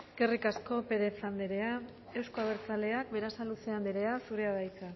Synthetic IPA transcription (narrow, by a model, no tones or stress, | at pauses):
ɡ̥erikasko̞pe̞ɾe̞t͡sand̪eɾe̞a | e̞wsko̞aβ̞eɾt͡sale̞ak̚be̞ɾasaluseand̪eɾe̞asuɾe̞aðajt͡sa